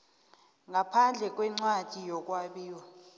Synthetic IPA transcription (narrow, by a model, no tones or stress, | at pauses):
ŋapʰand͡ɮʱɛk̬ʼwɛŋ͡ǀwatʼijɔk̬ʼwaɓiːwɔ